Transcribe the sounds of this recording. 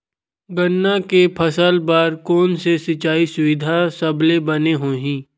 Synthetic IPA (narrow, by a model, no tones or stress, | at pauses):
ɡənːakepʰəsəlbaːɾkɔːnsesɪt͡ʃaːisʊʋɪd̪ʱasɐblebɐneɦoːɦĩː